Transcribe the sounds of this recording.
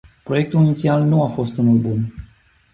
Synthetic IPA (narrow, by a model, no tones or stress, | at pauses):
pɾo̞je̞k̚t̪ulinit̪sialnuafo̞st̪unulbun